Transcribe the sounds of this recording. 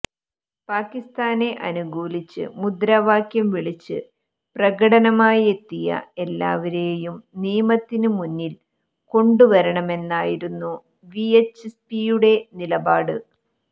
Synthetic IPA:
paːkːist̪aːne̞ʔɐnuɡuːlit͡ɕːɨ̰mud̪ɾaːʋaːkjɐmʋiɭit͡ɕːɨ | prɐɣɐɽɐnɐmaːje̞t̪ːijɐ̰e̞lːa̰ːʋɐɾe̞ːjumniːmɐt̪ːinɨmunːil | ko̞ɳɖuʋɐɾɐɳɐme̞nːaːjiɾunːu | ʋiet͡ɕːspijuɽe̞nilɐbaːɽɨ

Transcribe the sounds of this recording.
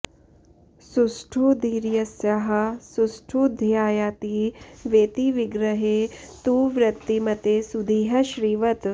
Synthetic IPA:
susʈʰud̪iːɾjɐsjɐɦɐ̆susʈʰud̪ʱjaːjaːt̪iʋeːt̪iʋiɡɾɐɦeːt̪uːʋɾɐt̪ːimɐt̪esud̪ʱiːɦɐʃɾiːʋɐt̪

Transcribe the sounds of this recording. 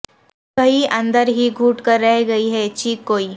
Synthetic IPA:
kɐɦiʔɐ̃nd̪əɾɦiɡʱuːʈkɐɾːɛɦɡɐiɦɛːt͡ʃiːkːoːiː

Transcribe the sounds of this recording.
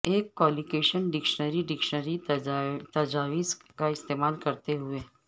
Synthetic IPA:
eːkːɔːlikeːʃənɖɪkʃnəɾiɖɪkʃənəɾi | t̪ɐd͡ʒaːʋiːskaɪst̪eːmaːlkɐɾt̪eɦʊeː

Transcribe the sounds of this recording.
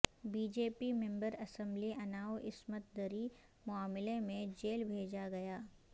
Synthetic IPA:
biːd͡ʒeːpimɛ̃mbəɾɐsə̃mbliʔɐnaːoʔɪsmət̪̚d̪əɾi | mʊaːmɪlemẽd͡ʒeːlbʱeːd͡ʒaɡɐjaː

